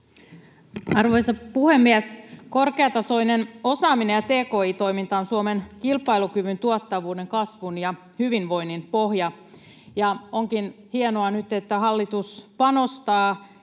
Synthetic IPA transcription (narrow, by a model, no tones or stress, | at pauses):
ɑrʋo̞jsɑpuhemːiæsko̞rkeɑt̪ɑso̞ineno̞sɑːminejɑt̪eːko̞ːiːt̪o̞jmint̪ɑːnsuomenkilpɑilukyʋynt̪uot̪ːɑʋuːde̞ŋkɑsʋunjɑ | hyʋinʋo̞ininpo̞hjɑ | jɑoŋkinhienoɑnyt̪et̪ːæhɑlːit̪uspɑno̞st̪ɑː